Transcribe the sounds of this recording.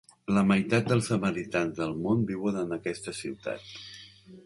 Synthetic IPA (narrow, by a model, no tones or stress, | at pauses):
ləməjt̪at̪̚d̪əlˠsəməɾit̪anzðəlˠmonbiwənənəkɛst̪əsiwt̪a̰t̪̚